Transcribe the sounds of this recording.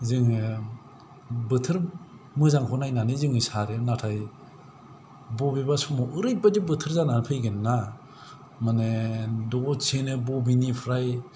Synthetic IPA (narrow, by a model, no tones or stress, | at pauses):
zɯŋɯ | bɯtʰɯɾ | mɯzaŋkʰɔnajnanizɯŋɯsaɾenatʰaj | bɔbibasɔmɔʔɯɾɯj̚badibɯtʰɯɾzananpʰɯjɡɯnːa | manedɔɡɔt͡ʃʰenɯbɔbinipʰɾaj